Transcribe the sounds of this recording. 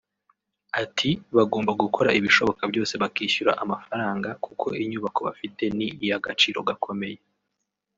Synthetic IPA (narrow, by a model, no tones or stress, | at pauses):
atʰiβaɡo̞ːmbaɡuko̞ɾa̰ʔiβiʃo̞βo̞kabɟo̞ːse̞βakiːʃuɾa̰ʔamafaɾaːŋɡakukʰo̞iɲuːβako̞βa̰fite̞niːjaɡat͡ʃiːɾo̞̰ɡakʰo̞me̞je